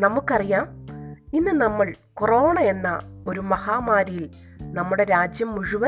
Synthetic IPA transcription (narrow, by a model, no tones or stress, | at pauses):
nɐmukːɐrijaːminːɨnɐmːɐɭkoroːɳɐe̞nːɐo̞ɾumɐhaːmaːɾijil | nɐmːuɽe̞ɾaːd͡ʑjɐmːuɻuʋɐ